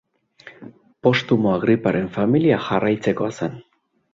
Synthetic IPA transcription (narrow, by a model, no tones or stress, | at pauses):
po̞st̪umoaɣɾipaɾe̞ɱfamiliaxarajt͡se̞ko̞asan